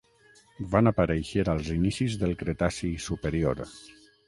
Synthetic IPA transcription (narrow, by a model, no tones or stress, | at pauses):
banapaɾejʃeɾalˠzinisizðəlˠkɾet̪asisupeɾioɾ